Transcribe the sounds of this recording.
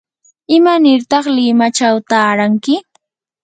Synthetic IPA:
ɪmanɪɾt̪ɑχlɪmat͡ʃawt̪aːɾaŋkɪ

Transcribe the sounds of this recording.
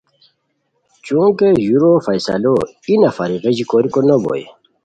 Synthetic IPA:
t͡ɕũːkejuɾofasa̰lo | inafaɾiɣed͡ʑikoːɾikonɐbo̰ḭ

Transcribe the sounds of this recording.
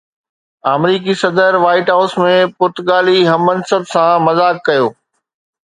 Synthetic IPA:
aːmɾiːk̬isɐd̪əɾʋaːɪʈɦaʊsmẽpʊɾt̪ʊɠaːliɦɐmɐn̆sɐbʱsãmɐzaːkːɐjoː

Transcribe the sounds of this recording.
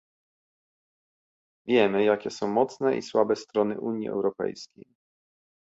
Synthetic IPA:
vʲjɛmɘjakʲɛsɔ̃w̃mɔt̪snɛʔḭswabɛst̪ɾɔnɘ̰ʔuɲjḭʔɛ̰wɾɔpɛ̰jskʲej

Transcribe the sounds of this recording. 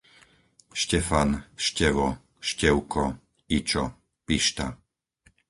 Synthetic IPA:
ʃcɛfanʃcɛʋɔ | ʃcɛʊkʰɔ | it͡ʃɔ | piʃt̪a̰

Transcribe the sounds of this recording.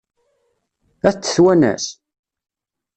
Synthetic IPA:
æθt͡sːə̥θwænæ̰s

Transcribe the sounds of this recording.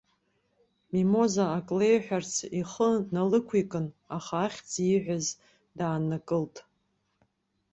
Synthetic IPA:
mimo̞zaːkʼlejħʷᶣart͡sʰiχənalɨkʷʰikʼɨnaχaːχʲd͡ziħᶣʷaz | daːnakʼɨltʼ

